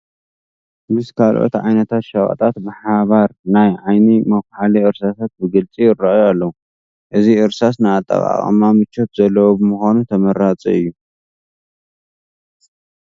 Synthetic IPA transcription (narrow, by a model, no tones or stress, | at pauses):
mɨskʰalʔo̞̰t̪ʕa̰jnɐt̪ʰat̪ʃɐkʼɐ̰t̪ʼat̪bɨħaβaɾnajʕajnimɐkħaliɨɾsasat̪̚bɨɡɨlt͡sʼiɪrːaʔjoalːɐwu | ʔɨziɨɾsasnajat̪ʼa̰βa̰χʼɨ̰mamɨt͡ʃːot̪zɐlːɐwobɨmuxanut̪ʰɐmɐɾat͡sʼḭɨjːu